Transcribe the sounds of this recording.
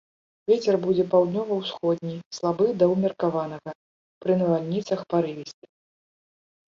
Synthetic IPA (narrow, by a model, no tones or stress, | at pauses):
vʲet͡sʲɛrbud͡zʲɛpawd̪nʲɔvɐwsxɔd̪̚ʲnʲijslˠabɨd̪ɐwmʲirkavanɐɣɐ | pɾɨnɐvalʲnʲit̪sɐxpaɾɨvʲisʲt͡sʲi